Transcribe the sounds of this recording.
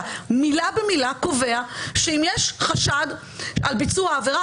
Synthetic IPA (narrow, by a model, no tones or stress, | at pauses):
milabemilakove̞aʃeimjeʃχaʃad̪ | albit͡suaːveʁa